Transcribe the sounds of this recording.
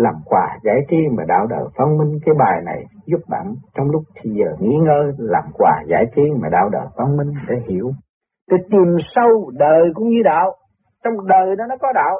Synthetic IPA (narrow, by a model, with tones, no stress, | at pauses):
laː˨˩mkwaː˨˩za̰ː˧˥jt̪i˧maː˨˩ɗa̰ː˧˩wɗə̰ː˧˨˩jfa˧nmï˧ŋkaː˨˦jɓaː˨˩jna˨˩jzu˦˥p̚ɗa̰ː˧˩mt͡ɕɔ˧wŋ͡mlʊ˦˥k͡p̚t̪ʰi˧˩zəː˨˩ŋḭ˧˥ŋəː˧laː˨˩mkwaː˨˩za̰ː˧˩jt̪i˧maː˨˩ɗaː˧˩wɗə̰ː˧˨˩fa˧nmï˧ŋ̟ɗḛ˧˦hḭ˧˩˥əw | t̪i˨˩t̪i˨˩msə˧wɗəː˨˩jkʊ̰˧˥wŋ͡mɲɨ˧ɗa̰ː˧˨w | t͡ɕɔ˧wŋ͡mɗəː˨˩jɗɔ˨˦nɔ˨˦kɔ˨˦ɗa̰ː˧˨w